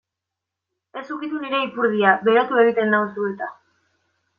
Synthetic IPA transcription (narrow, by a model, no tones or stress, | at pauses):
e̞sukit̪uniɾe̞ipuɾð̞iabe̞ɾat̪ue̞ɣ̞it̪e̞nd̪ausuet̪a